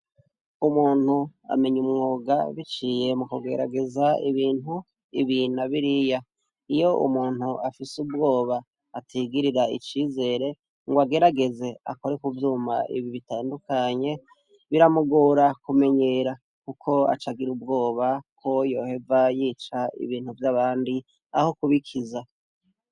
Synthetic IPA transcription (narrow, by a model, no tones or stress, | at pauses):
umuːn̥hua̰me̞ɲumŋoːɡaβit͡ʃiːje̞mukuɡe̞̰ɾa̰ɡe̞zaiβiːnu | iβinaβiɾija | ijo̞ʔṵmuːnhuʔafisubɡo̞ːβaː | tʰiɡiɾiɾaḭt͡ʃiːze̞ɾe̞ | ŋɡwaɡe̞ɾaɡe̞ze̞a̰ko̞ɾekuvjuːma̰ʔḭβiβitaːndukʰaɲe̞ | βiɾamuɡuɾakume̞ɲe̞ɾa | kukʰo̞a̰t͡ʃaɡiɾub̚ɡo̞ːβakʰo̞jo̞ːhe̞vajiːt͡ʃaḭβiːn̥huvjaβaːndi | aho̞kuβikʰiza